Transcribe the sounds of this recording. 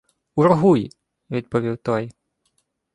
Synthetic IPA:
urɦuj | vʲid̪̚pɔvʲiwt̪ɔj

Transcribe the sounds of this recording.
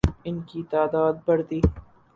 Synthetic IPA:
ɪnkiːt̪aːd̪aːd̪̚bɐɾd̪iː

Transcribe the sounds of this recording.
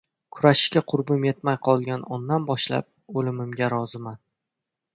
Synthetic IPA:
kʰʊɾaʃɪʃkʲaqʰʊɾbʊme̞t̪majqʰɒlˠɡʲanɒnːanbɒʃla̰p̚olɪmɪmɡʲaɾɒzɪman

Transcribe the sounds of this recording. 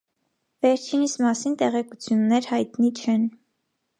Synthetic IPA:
vɛɾt͡ʃʰinismɑsint̪ɛʁɛkut͡sʰjunːɛɾhɑjt̪nit͡ʃʰɛn

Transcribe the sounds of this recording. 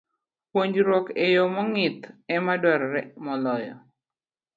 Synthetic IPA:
pwoɲd͡ʒɾwɔkejɔmɔŋɪt̪ɛmadwaɾɔɾɛmɔlɔjɔ̰

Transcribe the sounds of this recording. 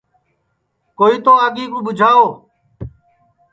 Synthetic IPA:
koːiːt̪oːəɠiːkũːɓʊd͡ʒʱaːoː

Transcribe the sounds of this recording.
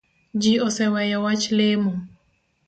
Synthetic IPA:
d͡ʒiɔsɛwɛjɛwat͡ʃlemu

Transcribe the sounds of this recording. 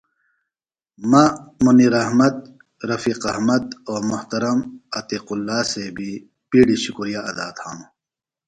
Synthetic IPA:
mɐmuniɾɐhmɐd̪̚ | ɾɐfiːqɐhmɐd̪oːɾmʊht̪ɐɾɐmɐt̪iqulːaːsebʱi | piːɽiɕukuɾijaːɐd̪aːt̪ʰhaːnu

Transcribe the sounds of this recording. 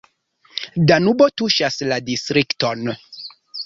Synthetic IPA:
danubotuʃasladistɾikton

